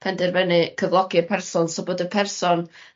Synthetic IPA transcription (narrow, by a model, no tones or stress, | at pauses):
pʰɛndɪrvɛnɨkʰəvlˠɔɡɨpʰɛrsɔnsɔboːdəpʰɛrsɔn